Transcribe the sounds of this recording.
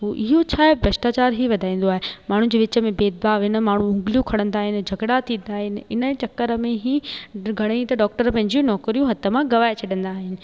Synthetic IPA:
ɦuːʔɪɦot͡ɕʰaːebɾɐʃʈaːt͡ɕaːɾɦiʋɐd̪ʱaːĩːn̆d̪oaːɦemaːɳ̤ũd͡ʑeːʋɪt͡ɕəmẽbeːd̪̚baːʋɪnə̆maːɳ̤ũʊ̃ŋɡlijũkʰɐɽ̤̃ə̃nd̪aːɦɪnɪ̆d͡ʑʱɐɡɽat̪ʰĩːn̆d̪aːɦɪnɪ̆ɪ̰nət͡ɕɐkːəɾəmẽɦiɡʱɐɽ̃ĩt̪ɐɖɔːk̚ʈəɾpɐ̃ɦɪ̃ɲd͡ʑijũnɔːkɾijũɦɐt̪ʰə̆mãɡɐʋaːet͡ɕʰɐɗə̃nd̪aːɦɪnɪ̆

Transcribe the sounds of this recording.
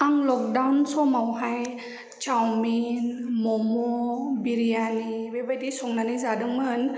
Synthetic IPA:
aŋlɔk̚dawnsɔmawɦaj | t͡ʃawminmɔmɔbiɾijanibebajdisɔŋnanɯzadɯŋmɯn

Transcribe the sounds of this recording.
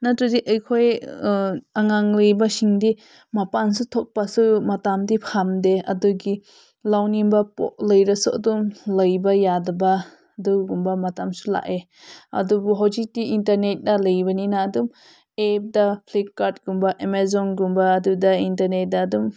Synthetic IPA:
natɾudiʔejkʰoj | aŋaŋlɯjbasiŋdi | mapansutʰɔk̚pasumɐtamdipʰamdeɐ̰duɡi | lawnimbapɔ̰ʔ̚ləjɾɐsua̰dumlɐjbajadɐba | duɡumbamɐtamsula̰ʔe | ɐ̰dubuɦawd͡ʒik̚diintɐɾnet̚dalɐjbɐninaːdum | ep̚dapʰlikːaɾt̚ɡumbaʔemezɔnɡumbaːdudaintɐɾnet̚daːdum

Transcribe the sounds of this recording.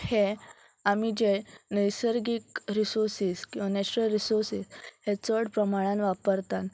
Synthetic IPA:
he | amid͡ʑenəjsəɾɡikɾisuɾsiːskĩʋanɛt͡ɕuɾəlɾisoɾsiːshet͡səɽpɾəmaɭ̃ãnʋapəɾt̪an

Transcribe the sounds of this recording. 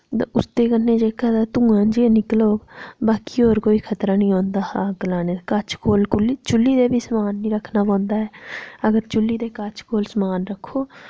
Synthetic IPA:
t̪a̰ʊst̪eːkənːeːd͡ʒeːkʰaːt̪aːt̪ũːãːd͡ʒienɪkloːbaːkiːoːɾkoːiːkʰət̪ɾaːnĩːõːnd̪aːhaːɡlaːneːkət͡ʃʰkoːlkʊlːiːt͡ʃʊlːiːd̪eːbʱiːsəmaːnːĩːɾəkʰnaːpɔ̃ːnd̪aːɦɛːəɡəɾt͡ʃʊlːiːd̪eːkət͡ʃʰkoːlsəmaːnɾəkʰːoː

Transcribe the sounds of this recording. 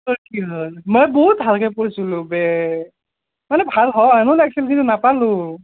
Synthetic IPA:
sɔkiɦɔlmɔjbɔɦutɦalkʰɛpɔɹisulʊ̃bɛ | manɛbʱalɦɔanʊnɛk̚silkʰintunapalʊ̃

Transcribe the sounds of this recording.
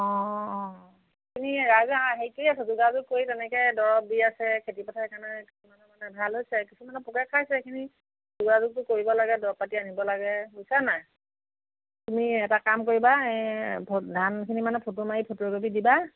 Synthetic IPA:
ɔ̃ː | ekʰiniɹazaɦejkejasɛzuɡazʊk̚kːojtɛnɛkɛdɔɹɔp̚diasɛkʰetipɔtʰaɛkanɛkisumanɛmanɛbʱalɦojsɛkisumanɛpɔkɛkʰajsɛekʰini | zuɡazʊk̚tʊkoɹibɔlaɡɛdɔɔpatianibɔlaɡɛɦojsana | tumiɛtakamkoɹibaɛpʰodʱankʰinimanɛpʰotumajipʰotoɹɡobidiba

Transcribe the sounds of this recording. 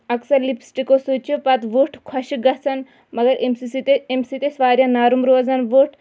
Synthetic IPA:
ɐksɐɾlipsʈikosut͡ʃopɐt̪ʋoːʈkʰɐʃɡɐsɐn | mɐɡɐɾemsiit̪emsit̪esʋaːɾjãːnaːɾumɾoːzɐnʋoːʈ

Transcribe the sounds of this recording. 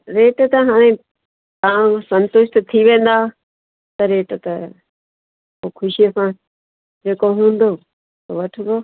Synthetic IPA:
ɾeːʈt̪ɐɦaːɽ̃ẽ | t̪ɐãsɐ̃nt̪ʊʃt̪t̪ʰiʋẽːn̆d̪aː | t̪ɐɾeːʈt̪ɐ | okʰʊʃisã | d͡ʑeːkoɦũːn̆d̪oː | t̪oʋɐʈʰɪ̃ɡ̪oː

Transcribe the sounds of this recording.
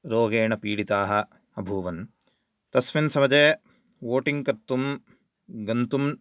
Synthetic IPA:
ɾoːɡeːɳɐpiːɽit̪aːɦɐ̆ | ɐbʱuːʋɐn | t̪ɐsʋinsɐmɐd͡ʒeː | ʋoːʈiŋɡkɐɾt̪um | ɡɐnt̪um

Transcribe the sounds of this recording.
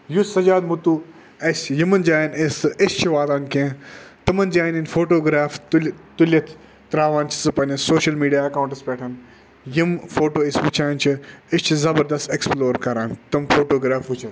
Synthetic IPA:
jusɐd͡ʒaːd̪mut̪u | ɐsjimɐnd͡ʒaːjinesɨʔɪst͡ʃʰiʋaːd̪aːnkẽːt̪ɨmɐnd͡ʒaːjninfoːʈoːɡɾaːft̪lt̪ulʲɐt̪ʰ | t̪ɾaːʋaːnt͡ʃʰi̥sɨpɐnʲɐsoːʃɐlmiːɖijaːɐkaːuɳʈɐspʲɛːʈʰɐn | jimfoːʈoːɪsʋut͡ʃʰaːnt͡ʃʰiɪst͡ʃʰizɐbɐɾd̪ɐst̪eksploːɾkɐɾaːnt̪ɨmfʰoːʈoːɡɾaːfʋut͡ʃʰɐt̪

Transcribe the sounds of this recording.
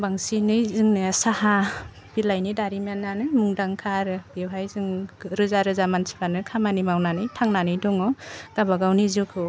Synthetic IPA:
baŋsinɯjzɯŋnɯsaha | b̥ilajnidaɾimanːanɯjmuŋdaŋkʰaɾɯbewɦajzɯŋɾɯzaɾɯzamansi̥banɯkʰamanimawnanɯjtʰaŋnanɯjdɔŋɔɡ̥abaɡawnizukʰɯ

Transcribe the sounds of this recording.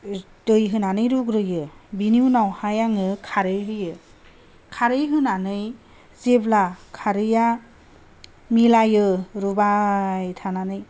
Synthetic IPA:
dɯjɦɯnanɯjɾuɡɾɯjɯbiniwnawhajaŋɯkʰaɾɯjɦɯjɯ | kʰaɾɯjɦɯnanɯj | zeblakʰaɾɯja | milajɯɾubajtʰananɯj

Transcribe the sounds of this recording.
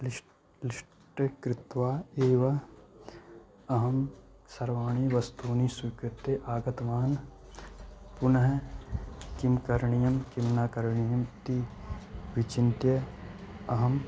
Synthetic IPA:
lɪʃ | ʈɐkɾɪt̪ʋaːeːʋɐ | ɐɦɐm | sɐɾʋaːɳ̃iːʋɐst̪uːnisukɾɪt̪jeʔaːɡɐt̪ʋaːn | pʊnɐɦɐ | kimkɐɾɳijɐmkimnaːkɐɾɳijɐmt̪i | ʋit͡ʃint̪jɐ | ɐɦɐm

